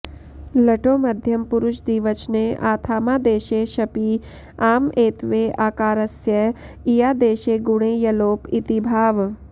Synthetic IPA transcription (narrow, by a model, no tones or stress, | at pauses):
lɐʈoːmɐd̪ʱjɐmpʊɾʊʃd̪iːʋɐt͡ʃneʔaːt̪ʰaːmaːd̪eːʃeːʃɐpiː | aːmeːt̪ʋeːʔaːkaːɾɐsjɐ | ijaːd̪eːʃeːɡʊɽ̃eːjɐloːpit̪ibʱaːʋ